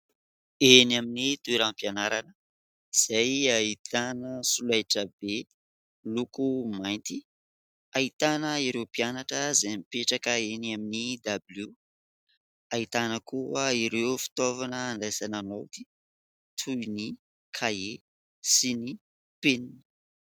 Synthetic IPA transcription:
enaminit̪uiɾampijanaɾanə | iz̥ajait̪anəsulajʈ͡ʂəbe | lukumajnt̪i | ait̪anəiɾewpianaʈ͡ʂəzamipeʈ͡ʂakəenaminid̪abilu | ait̪anəkuaiɾewfi̥t̪ovanəːnlajsananot̪i̥ | t̪ʰuni | kʰae | sini | penini̥

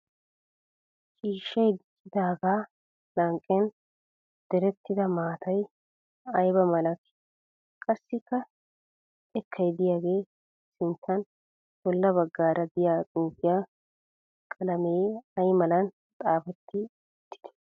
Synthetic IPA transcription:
t͡ʃʼiːʃːɐjd̪ɪsɪd̪aːɡaː | nɐŋkʼːɛn | d̪̥ɛɾɛt̪ːɪd̪ɐmaːt̪ɐj | ɐjbɐmɐlɐkːɪ | kʼɐsːɪkːɐ | ɛkʰːɐjd̪ɪjaːɡe̞ː | sɪnt̪ːɐn | bɔlːɐbɐɡːaːɾɐd̪ɪjaːt͡sʼɪŋkːɪja | kʼɐlɐmejɐjmɐlɐn | t̪ʼaːfɛt̪ːɪ | ɔt̪ːɪ̥d̪̥ɛ̥

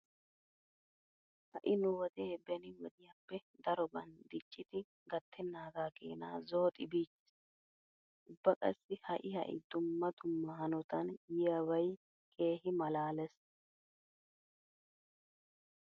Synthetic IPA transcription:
hɐ̰ʔɪnʊwɔd̪eːbɛnɪwɔd̪ɪjapːɛd̪ɐɾɔbɐnd̪ɪt͡ʃʼːɪt̪ɪ | ɡɐt̪ːɪnːaːɡaːkḛːna̰ːzoːt̪ʼɪbiːt͡ʃːɛ̥s | ʊbːɐkʼɐ̰sːɪhɐʔɪhɐ̰ʔɪ̰d̪ʊmːɐd̪ʊmːɐɦɐnɔt̪ɐnjɪjawɐj | kʼe̞ːɦɪmɐlaːlɛs

